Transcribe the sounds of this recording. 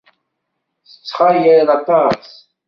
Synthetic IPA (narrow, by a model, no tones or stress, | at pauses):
θə̥t͡sːχajəðɑt̪ˤɑs